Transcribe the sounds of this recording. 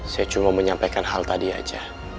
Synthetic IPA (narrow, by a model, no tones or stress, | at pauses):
sajat͡ʃumaməɲampakanɦalt̪adia̰d͡ʒa